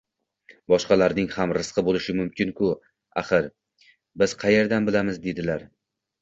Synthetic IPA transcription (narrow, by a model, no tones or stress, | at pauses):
bɒʃqɑlaɾnɪŋhamɾɨsqʰɨbolɪʃɪmʊmkʲʰɪnkʰʊ | a̰χɨɾ | bɪz̥qʰɑjeɾd̪anbɪlamɪzd̪e̞d̪ɪlaɾ